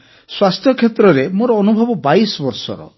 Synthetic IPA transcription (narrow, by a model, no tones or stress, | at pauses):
swast̪ʰjɔkʰːet̪ɾɔɾemoɾɔːnubʱɔbɔbajsɔbɔɾsɔ̰ɾɔ̰